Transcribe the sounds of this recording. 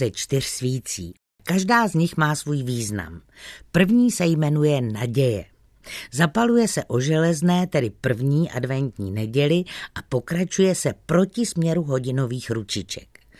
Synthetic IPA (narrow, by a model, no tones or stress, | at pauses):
ɛt͡ʃt̪ɪr̝̥sviːt͡sḭː | kaʒdaːzɲɪxmaːsvuːjviːzna̰m | pr̩vɲiːsɛjmɛnujɛnaɟɛjɛ̰ | zapalujɛsɛʔo̞ʒɛlɛznɛːt̪ɛdɪpr̩vɲiːʔa̰dvɛnt̪ɲḭːnɛɟɛlɪʔapo̞kɾat͡ʃujɛsɛpɾo̞cɪsmɲɛɾuɦo̞ɟɪno̞viːxɾut͡ʃɪt͡ʃɛ̰k